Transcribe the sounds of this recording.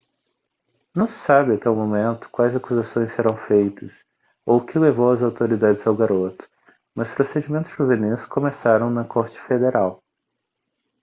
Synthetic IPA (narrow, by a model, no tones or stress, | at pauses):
nɐ̃w̃sɪ̥sabɪat̪ɛwmomẽnt̪ʊ̥kwajzakuzasõj̃seɾɐ̃w̃fejt̪ɐs | okɪlevowɐzawt̪oɾid̪ad͡ʒɪzawɡaɾot̪ʊ̥ | mɐspɾosed͡ʒimẽnt̪ʊ̥z̥ʒuveniskomesaɾɐ̃w̃nɐkoɾt͡ʃɪ̥fed̪eɾʔaw